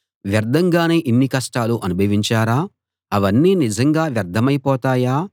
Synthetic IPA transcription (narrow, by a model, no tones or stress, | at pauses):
ʋjɐɾd̪ʱɐŋɡaːne̞ːʔinːikɐʂʈaːluʔɐnubʱɐʋiɲt͡ʃaːɾaː | ɐʋɐnːiːnizɐŋɡaːʋjɐɾd̪ʱɐmɐjpɔːt̪aːjaː